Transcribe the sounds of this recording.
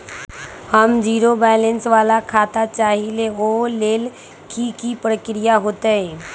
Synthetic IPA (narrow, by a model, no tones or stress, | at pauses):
həmd͡ʑiɾobɛlensʋalakʰat̪at͡ʃaɦileolel | kikipɾəkɾijaɦot̪e